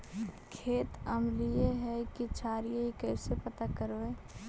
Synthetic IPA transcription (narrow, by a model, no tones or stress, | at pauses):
kʰeːt̪əmlieɦɛkit͡ʃʰaːɾijeɦikəɪsepɐt̪akəɾoeː